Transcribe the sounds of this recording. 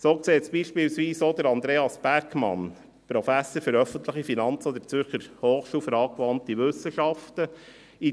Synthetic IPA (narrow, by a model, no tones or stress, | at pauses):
soːkseːt̪sb̥iʃpilsʋiːsod̪əɾɑnd̪ɾeːɑsb̥æɾkmɑ̰n | pɾɔfæsəɾfʏɾœfənt̪ləχifinɑnt͡sod̪ət͡sʏɾχəɾhoːχʃuːlfəɾɑːkʋɑntiʋʏsəʃɑftə | i